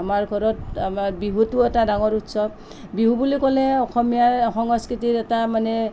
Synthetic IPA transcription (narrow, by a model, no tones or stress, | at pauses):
amaɹɡʱɔɹɔt̚mabiɦutuɛtadaŋɔɹutsɔb̚ | biɦubulikɔlɛɔxʰɔmijaxɔŋɔskɹitiɹɛtamanɛ